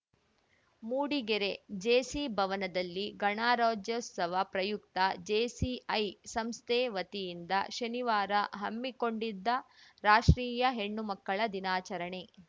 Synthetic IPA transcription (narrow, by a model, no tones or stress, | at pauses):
muːɽiɡeɾe̞d͡ʒeːsibʱɐʋɐnɐd̪ɐlːiɡɐɳaːɾoːd͡ʒjɐsɐʋɐpɾɐjukt̪ɐd͡ʒeːsiɐjsɐmst̪ʰeːʋɐt̪ijind̪ɐʃɐniʋaːɾɐɦɐmːiko̞ɳɖid̪ːɐɾaːʂɾiːjɐɦeɳːumɐkːɐɭɐd̪inaːt͡ʃɐɾɐɳe̞